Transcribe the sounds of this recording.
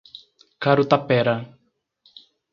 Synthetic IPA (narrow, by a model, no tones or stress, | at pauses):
kaɾut̪apɛɾa